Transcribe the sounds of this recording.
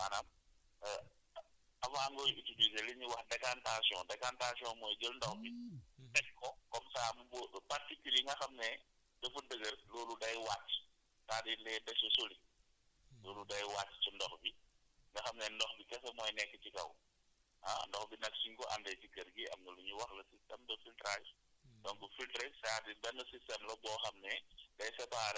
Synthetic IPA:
manam | ɐfamɡɔjutodisɛliɲiwɐxdɛkantasɔŋdɛkantasiɔŋmɔːjɡəlndɔxbitɛkkːɔkɔmsaːmubɔːɗɔpɐrtikuliŋɡɐxɐmnɛ | dɐfudəɡɐrlɔːludɐjwatː | taːdilɛdɛsɔsoli | lɔːludɐjwaːtːt͡ʃindɔxbi | ŋɡɐxɐmnɛndɔxbikɛfɐmɔːjnɛkːɛt͡ʃikɐ̰w | hɐndɔxbinɐk̚siŋkɔʔɐ̰ndɛt͡ʃiɡɐrɡiʔɐ̰mŋɡɐluɲuwɐxlɐsistɛmdɐfiltɾal | dɔŋkufiltɾɛsaːdibɛnːɐsistɛmlɐbɔːxɐmnɛdɐjsɛpaɾɛ

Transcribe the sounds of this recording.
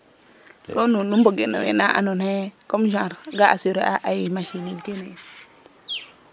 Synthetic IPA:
sonunumboɡena̰wḛnaʔa̰nonhekomʒãɾɡaaseɾeaʔajimaʃiniɡene

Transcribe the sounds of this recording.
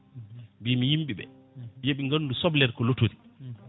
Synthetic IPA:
bimijimɓiɓɛ̰ | jeɓiŋɡanːdusɔblɛɾkɔlotoɾi

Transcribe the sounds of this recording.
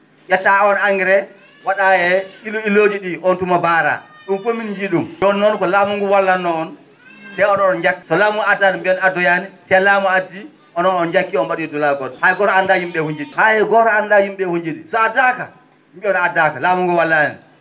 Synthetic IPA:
jɛtaɔnaŋɡɛɾɛ | waɗaɛiluiloːd͡ʒiɗiʔɔntumabaːɾa̰ɗunkomind͡ʒiɗumjɔnːɔnkɔlamuŋɡuwalːanːɔɔn | tɛɔnɔnɔnd͡ʒakːi̥sɔlaːmuadanmbiɔnadɔjanitɛlaːmuadːi | ʔɔnɔnɔnd͡ʒakːiɔnɓaɗuɛdɔlaɡɔdhaɛɡɔɾɔandad͡ʒumɓɛhuɲd͡ʒiɗihaɛɡɔɾɔandad͡ʒumɓɛhuɲd͡ʒiɗisɔadaːka | mɓiɔnadakalaːmuŋɡuwalːanḭ

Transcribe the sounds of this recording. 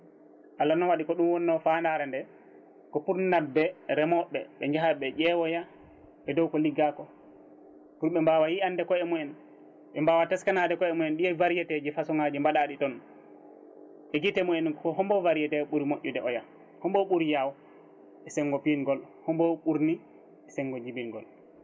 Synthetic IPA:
ʔalːanɔwaɗikɔɗumwɔnːɔfandaɾɛndɛ | kɔpuɾnnadɛɾɛmɔɓːɛ̰ɓɛɲd͡ʒaɦaɓɛʄɛwɔja | ɓɛdɔwkɔliɡakɔ | puɾɓɛmbawajianːdɛkɔɛmuɛn | ɓɛmbawatɛskanadɛkɔɛmuɛnɗiɛvaɾijɛted͡ʒifasɔŋad͡ʒimbaɗaɗitɔn | ɓɛɡitɛmuɛnkɔɦɔmbɔvaɾijɛtɛɓuɾimoʔːudɛʔɔja | hɔmbɔɓuɾijaw | ɛsɛŋːɡɔpinɡɔl | hɔmbɔɓuɾni | ɛsɛŋɡɔd͡ʒibinɡɔ̰l

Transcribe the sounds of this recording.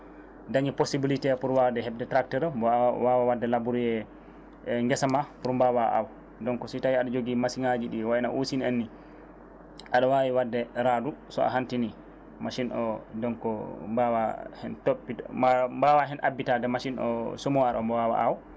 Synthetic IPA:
daŋiposibilitɛpuɾwawdɛhɛbdɛtɾaktɛɾbwawawadːɛlabuɾjɛ | ŋɡɛsamapuɾmbawaʔa̰w | dɔŋkɔsitawiaɗɔd͡ʒoɡimasiŋad͡ʒiɗiwaɛna̰ʔusinanːi | ʔaɗɔwawiwadːɛɾadusɔ̰a̰ɦantini | maʃinɔdɔnkɔbawahɛntopːimbawaɦɛnʔa̰bːitadɛmaʃinɔ̰somuwaɾɔmbɔwawa̰ʔaw

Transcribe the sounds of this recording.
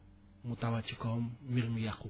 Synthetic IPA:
mut̪awat͡ʃikɔmːirmijaku

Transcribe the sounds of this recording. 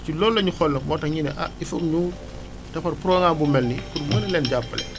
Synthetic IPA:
cilɔːlːɐɲuxɔlːɐkmɔːtɐŋɲinɛʔa̰ifɐkɲu | tɐpɐɾpuɾɔːŋaːbumɛlnikunmɐnɐlɛːnɟapːɐlɛ̰

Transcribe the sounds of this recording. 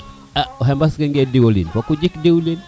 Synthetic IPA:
aɔɦɛmbaskɛŋɡediwolḭnpɔkud͡ʒikdiulin

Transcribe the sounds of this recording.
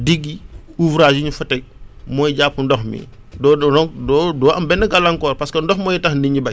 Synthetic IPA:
diɡːiuvɾaːd͡ʒiɲufɐtɛk̚mɔːjɟaːpːundɔxmḭ | dɔɔdɔːdɔːɐmbɛnːɐɡɐlɐŋkɔːɾpɐskɐndɔxmɔːjitɐxndiɲibɐj

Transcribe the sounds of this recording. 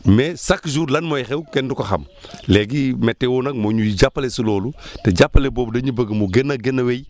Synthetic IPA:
mɛsakd͡ʒuːɾlɐnmojxɛwkɛndukɐxɐ̰m | lɛɡimɛtːewɔːnɐk̚moɲujiɟapːɐlesilɔːluteɟapːɐleboːbdɐɲubəɡmuɡenːɐɡenːɐwej

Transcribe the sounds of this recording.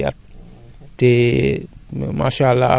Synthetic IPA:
a̰t̪̚ | d̪̥e | ma̰ʃala

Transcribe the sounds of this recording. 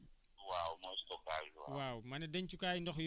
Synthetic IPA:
wawmɔstɔkaʒwa̰wawmɐnɛdɛɲt͡ʃukaːjndɔxj

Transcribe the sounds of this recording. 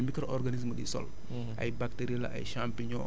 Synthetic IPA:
mikəɾʔɔrɡanis̬məɗḭsɔ̰l | ʔɐ̰jbak̚teɾilɐ̰ʔa̰jʃampiɲɔ

